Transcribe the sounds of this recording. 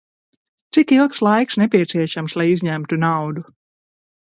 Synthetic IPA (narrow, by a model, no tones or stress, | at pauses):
t̪sikilˠkslˠajksnɛpʲiɛt̪siɛʃamslˠajizʲɲæmt̪unawd̪u